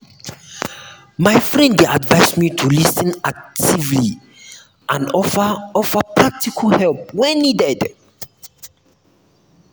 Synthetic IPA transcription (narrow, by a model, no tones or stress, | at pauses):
majfɹɛ̃nda̰dvajsmitʰulisə̃nak̚tʰivli | ãnɔfɔfəpʰɹak̚tikʰəlhɛlp̚wɛ̃nːidɛd